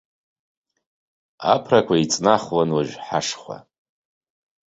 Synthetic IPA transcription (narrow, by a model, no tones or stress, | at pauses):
a̰pʰrakʷʰait͡sʼnaχwanwaʒᶣħaʂχʷa̰